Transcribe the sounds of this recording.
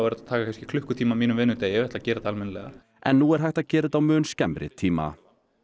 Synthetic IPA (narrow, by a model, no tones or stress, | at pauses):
vɛɾt̪at̪ʰaːkakʰajnscɪ̥kʰlʏhkʏt̪ʰiːmamiːnʏmvɪːnʏt̪eːjɛvɛht̪lacɛːɾɪt̪almɛnlɛɣa | ʔɛ̰nːuɛɾ̥ɦajht̪aðcɛːɾɪt̪awmœːnscɛmɾɪ̰t̪ʰiːma̰